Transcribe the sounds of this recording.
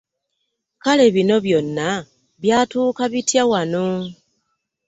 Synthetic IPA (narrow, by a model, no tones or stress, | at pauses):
kale̞βino̞βjo̞nːa | βjaːtuːkaβitjawano